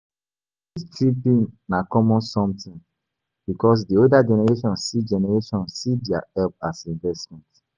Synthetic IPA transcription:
distɹipĩnnakɔmɔ̃nsɔ̃mtĩn | b̥ikɔs̬diodad͡ʒɛnɛɹeʃɔ̃nsid͡ʒɛnɛɹeʃɔ̃nsidiaɛlp̚asĩɱvɛstmɛ̃nt

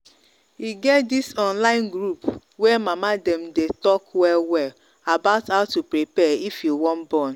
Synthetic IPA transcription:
iɡɛt̚disɔ̃nlãɪ̃nɡɹup | wɛmamadɛ̃mdetɔkwɛlwɛl | abaʊthaʊtupɹipɛifjuwɔ̃nbɔ̃n

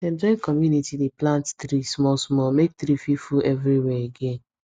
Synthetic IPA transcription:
ẽd͡ʒɔ̃kɔmjunitidiplãnttɾismɔsmɔmek̚t̪ɾififuʔevɾiweeɡen

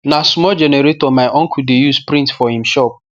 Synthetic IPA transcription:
nasmɔd͡ʒɛneɾetɔmaɪʔɔ̃ŋkʰudejuspɾĩntfɔhĩmʃɔp̚

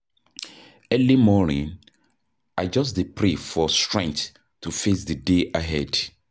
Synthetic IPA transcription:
ɛlimɔnĩŋ | ʔaɪd͡ʒɔs̬dipʰɹefɔstɹɛ̃ŋk̚θ | tʰufes̬ðədeʔaɦɛd

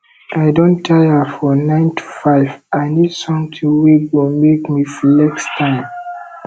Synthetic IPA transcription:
ajdõntʰːajafɹɔ̃nãɪ̃ntʰu̥faɪvaɪnidsɔ̃mt̪ʰĩŋwiɡõmekmiflɛkstʰãɪ̃m

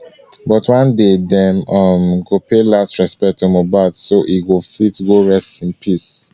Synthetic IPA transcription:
bɔtwãndedɛ̃mɔmɡopʰelastɹɛspɛk̚tumobatsoʔiɡofitɡoɹɛstĩnpʰis

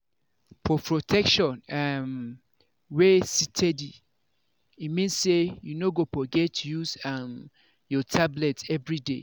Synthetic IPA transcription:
pɔpʰɹotʰɛkʃɔ̃nam | wesitʰedi | imĩnssejunoɡopʰɔɡɛtʰujusam | jɔtʰablɛtɛvɹide

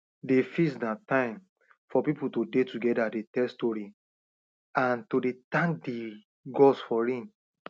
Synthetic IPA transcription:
defisnatãɪ̃m | fɔpiputodetuɡɛdadetɛlstoɹi | ãntodetãndi | ɡɔsfɔɾĩm

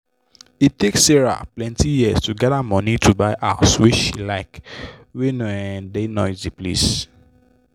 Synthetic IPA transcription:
iteksɛɹa̰plɛ̃ntijiəstuɡɛɾamɔ̃nitʰubaɪʔaʊswit͡ʃʃilaɪkwenoɛ̃denɔ̰ɪsiplḭs

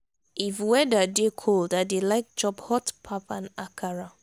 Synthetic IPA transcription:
ifwɛdadekʰoldadelaɪk̚t͡ʃɔphɔtpʰapʰãnakʰaɹa

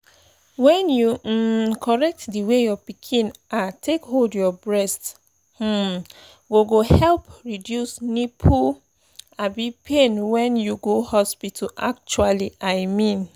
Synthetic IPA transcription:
wɛ̃njukʰɔɹɛk̚tdiwejɔpikʰĩnatʰekɦoldjɔbɹɛst̩ | ɡoɡohɛlpɹidjusnipʰu | abipʰenwɛ̃njuɡohɔspitʰʔa̰k̚t͡ʃualiajmĩn

